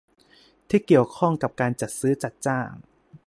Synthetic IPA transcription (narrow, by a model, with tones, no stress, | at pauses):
t̪ʰiː˥˩ki˨˩əwkʰɔ˥˩ŋka˨˩p̚kaː˧nt͡ɕa˨˩t̪̚sɯː˦˥t͡ɕa˨˩t̪̚t͡ɕaː˥˩ŋ